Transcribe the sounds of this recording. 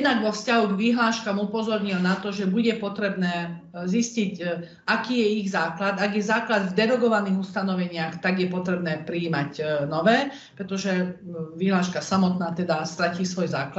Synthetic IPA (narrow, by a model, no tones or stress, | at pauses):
jɛd̪naɡʋɔfscaɦuɡʋiɦlaːʃkamupɔzɔɾɲilnat̪ɔʒɛbuɟɛpɔt̪ɾɛbnɛː | zisciɟ | akiːjɛiɣzaːklad̪aɡjɛzaːklad̪vd̪ɛɾɔɡɔʋaniːɣust̪anɔʋɛɲɪaxt̪aɡjɛpɔt̪ɾɛbnɛːpɾiːmaɟnɔʋɛː | pɾɛt̪ɔʒɛʋiɦlaːʃkasamɔt̪naːt̪ɛd̪ast̪ɾaciːsʋɔjza̰ːklat̪